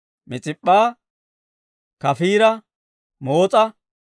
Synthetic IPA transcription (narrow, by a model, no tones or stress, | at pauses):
mɪt͡sʼɪpʼːaː | kɐfiːɾɐ | moːt͡sʼɐ